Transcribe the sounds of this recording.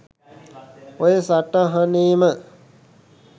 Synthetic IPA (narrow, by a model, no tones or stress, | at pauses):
ojesaʈaɦaniːmə